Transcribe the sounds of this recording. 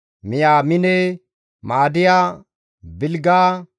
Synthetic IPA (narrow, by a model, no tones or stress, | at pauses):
mɪjaːmɪne | maːd̪ɪjaː | bɪlɡaː